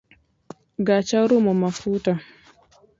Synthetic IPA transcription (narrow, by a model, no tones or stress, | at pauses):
ɡat͡ʃaɾumɔmafuːta